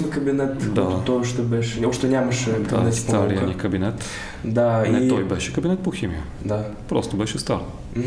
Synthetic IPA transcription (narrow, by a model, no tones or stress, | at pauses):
nəkəbʲinɛt̪d̪at̪oʃt̪obɛʃoʂt̪onʲaməʂɛd̪asʲst̪aɾjanʲikəbʲinʲɛt̪ | d̪aniɛt̪ojbɛʃɛkəbʲinɛt̪̚poxʲimʲḭjə | d̪apɾost̪obɛʃɛst̪aɾ | m̩